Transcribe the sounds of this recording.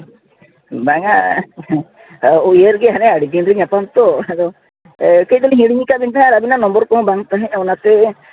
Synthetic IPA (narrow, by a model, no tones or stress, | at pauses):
baŋa | jeɾɡeɦanɛaɽid̪inɾiɲapant̪ɔɛd̪ɔ | kejd̪ɔliɦĩɽiɲikabint̪aɦɛ̃aɾabinanɔmbɔɾkɔ̃baŋt̪aɦɛ̃awnat̪e